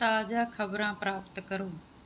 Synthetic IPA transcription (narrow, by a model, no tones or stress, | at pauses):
aːd͡ʑaːkʰɐbɾãːpɾaːpt̪kɐɾũː